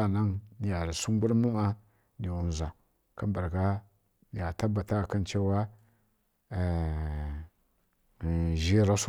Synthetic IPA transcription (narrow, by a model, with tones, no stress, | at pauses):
a˦˨na˦ŋ˨ja˨ɾi˨su˦ŋ˦ɡu˦ɾmu˦ma˦ | ni˨wu˨n˨za˨ | ka˦mba˨ɾɡa˦˨ | ja˨ta˦ba˨ta˦˨ka˦nt͡ʃe˦wa˦˨ | ʒi˦ɾa˦s